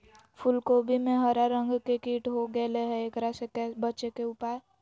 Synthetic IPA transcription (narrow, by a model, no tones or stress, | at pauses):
fʰʊlkoːbʱimẽɦəɾaɾə̃ŋɡkekiːʈɦoɡəleɦɛeːkɾasekɛbətːʃekeʊpa